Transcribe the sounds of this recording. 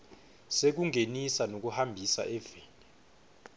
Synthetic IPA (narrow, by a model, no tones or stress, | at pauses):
sek̬uŋenisanok̬uhambʱisa̰ʔɛveːni